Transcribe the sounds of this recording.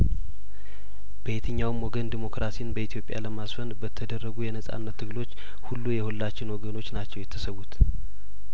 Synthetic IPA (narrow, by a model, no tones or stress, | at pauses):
b̥əjet̪ʰɨɲːawmwɔɡənd̪imo̞kɾasinbəit̪ijo̞pʼja̰ləmasfənbət̪ʰːəd̪ərːəɡujɛnəsʼa̰nːət̪ʰːɨɡlo̞t͡ʃː | hulːujɛhulːat͡ʃːɪnwɔɡəno̞t͡ʃːnat͡ʃːɛwjɛt̪ʰːəsəwut̪